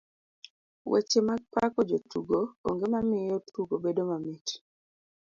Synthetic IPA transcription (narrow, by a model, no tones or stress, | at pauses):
wɛ̰t͡ʃemapakɔd͡ʒotuɡoo̰ŋɡemamɪjotʰuɡobedomamiti̥